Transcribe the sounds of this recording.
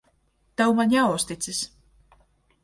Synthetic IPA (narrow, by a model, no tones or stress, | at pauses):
t̪awmaɲʲawst̪it̪sis